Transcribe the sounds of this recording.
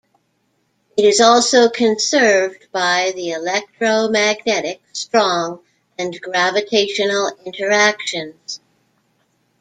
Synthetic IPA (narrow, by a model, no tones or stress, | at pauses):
ɨɾɨzɔlˠsoʊkʰɨ̃nsɜ˞vbaɪðiɪlɛk̚tɹ̥oʊmæɡ̚nɛɾɪkstɹ̥ɔ̃ŋ | ɨ̃nɡɹævɨtʰeɪʃɨnl̩ˠɪ̃ntʰə˞ækʃɨ̃nz̥